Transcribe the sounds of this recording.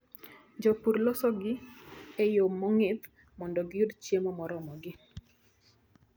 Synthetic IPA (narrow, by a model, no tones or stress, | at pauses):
d͡ʒɔpuɾlɔsɔɡɪejomːɔŋɪt̪ | mɔndɔɡɪjudt͡ʃjemɔmɔɾɔmɔɡɪ